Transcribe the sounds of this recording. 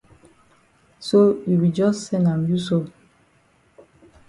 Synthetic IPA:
so˦ji˨wi˨d͡ʒɔ˦ssɛ˦nã˨mju˦so˦˨

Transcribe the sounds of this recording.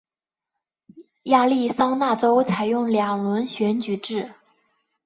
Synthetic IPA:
ja˥˧li˥˩sɑ˥ŋna˥˩ʈ͡ʂo˥ʊt͡sʰa˨˩ɪjʊ˥˩ŋljɑ˨˩ŋlwə˧˥nɕɥɛ˧˥nt͡ɕy˨˩ʈ͡ʂɻ̩˥˩

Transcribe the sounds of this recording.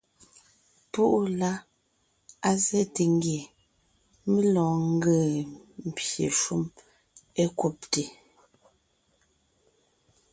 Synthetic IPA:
pu˦ʔla˦ | a˦zɛ˦te˨ŋ˦ɡje˨ | me˦lɔ̃ː˨ŋ̩˦ɡə˦˨m̩˨pjḛ˨ʃu˦m | e˦ku˦p̚te˨

